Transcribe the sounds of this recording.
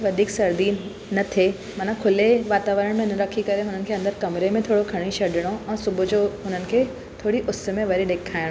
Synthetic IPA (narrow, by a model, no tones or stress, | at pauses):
ʋɐd̪ʱiːksɐɾd̪iːn | nɐt̪ʰe | mɐnãkʰʊleʋaːt̪aːʋəɾəɽ̃mẽnɐɾɐkʰikɐɾeɦʊnənɪ̆kʰeːɐ̃nd̪əɾkɐmɾemẽt̪ʰoːɽokʰɐɽ̃iʃɐɖʱɪɽ̃oʔɛ̃ːsʊbʊd͡ʑoɦʊnənɪ̆kʰeː | t̪ʰoːɽiʔʊsmẽʋɐɾiɗeːkʰaːɪɽ̃o